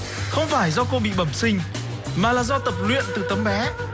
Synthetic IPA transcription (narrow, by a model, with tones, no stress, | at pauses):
xə˧wŋ͡mfaː˧˩jzɔ˧ko˧ɓḭ˧˨ɓə˧˩msï˧ŋ̟ | maː˨˩laː˨˩zɔ˧t̪ə˨˩p̚lwḭ˧˨ənt̪ɨ˨˩t̪ə˨˦mɓɛ˨˦